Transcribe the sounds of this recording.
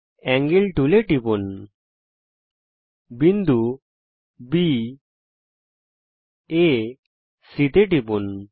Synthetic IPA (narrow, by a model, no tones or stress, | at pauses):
ɛŋɡilʈuleʈipun | bind̪u | bi | e | sit̪eʈibun